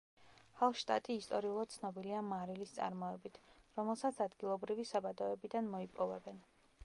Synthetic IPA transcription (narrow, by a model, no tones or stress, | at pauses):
halˠʃt̪ʼa̰t̪ʼiːst̪ʼɔɾiulˠad̪̥t̪sʰnɔbiliamaɾilist̪sʼa̰ɾmɔɛbit̪ʰɾɔmɛlˠsat̪sʰad̪ɡilˠɔbɾivisabad̪ɔɛbid̪anmɔipʼɔvɛbɛn